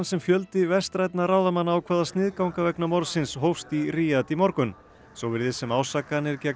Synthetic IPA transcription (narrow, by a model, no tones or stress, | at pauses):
nsɛmfjœlt̪ɪvɛst̪ɾajt̪̚naraːwðamanːwkʰvɛːðast̪nɪːðkawŋkavɛknamɔɾsɪnsɦowfst̪iriːjat̪imɔɾkʏn | sowvɪɾðɪsɛmaːwsakanɪɾcɛ